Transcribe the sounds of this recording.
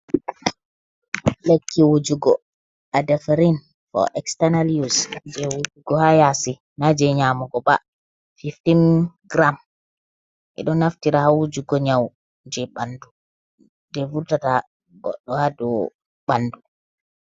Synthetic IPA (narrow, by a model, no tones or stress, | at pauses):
lekːiwud͡ʒuɡɔ | ʔadafaɾin | fɔ̰ʔɛkstanaljusd͡ʒɛwud͡ʒuɡɔhajasi | nad͡ʒɛɲaːmɔɡɔba̰ | fiftinɡɾam | ʔɛ̰ɗɔnːaftiɾahawud͡ʒuɡɔɲaw | d͡ʒɛɓandu | dɛvuɾtata | ɡɔ̰ɗːɔhadɔ | ɓandu